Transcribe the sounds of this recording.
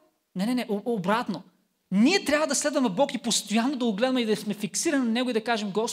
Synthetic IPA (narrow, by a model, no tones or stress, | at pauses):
nɛnɛnɛʔoobɾat̪no | niɛt̪ɾʲjavɐd̪ɐslɛd̪vɐmɛbɔkipost̪ojanːod̪ɐoɡlɛd̪ɐmɛid̪ɐsmɛfiksiɾɐnʲɐnɛɡʊid̪ɐkaʒɛmɡɔs